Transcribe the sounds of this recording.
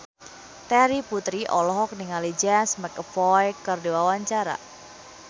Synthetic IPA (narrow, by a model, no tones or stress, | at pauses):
t̪ɛɾiput̪ɾiʔɔlɔɦɔk̚niŋalid͡ʒɛnsmɛkəfɔjkərdewawaɲt͡ʃaɾa̰